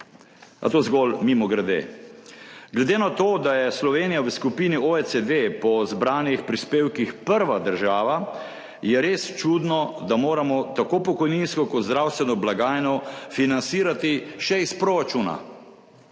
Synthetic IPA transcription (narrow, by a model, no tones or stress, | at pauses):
a̰t̪oːzɡɔlmimɔɡɾɛd̪ḛː | ɡlɛd̪enat̪oːd̪ajɛslɔʋeːnijawəskupinioesed̪epɔzbɾaːnjixpɾispeːwkixpəɾʋad̪əɾʒaːʋa | jɛɾeːst͡ʃuːd̪nɔd̪amoːɾamɔt̪akopɔkɔjninskɔkɔt̪zd̪ɾaːwst̪ʋɛnɔblaɡaːjnɔfinansiːɾat̪iʃɛispɾoɾat͡ʃuːna̰